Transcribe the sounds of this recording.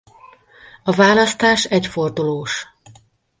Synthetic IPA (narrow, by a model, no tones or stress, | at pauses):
ɒvaːlɒst̪aːʃɛcfo̞rd̪uloːʃ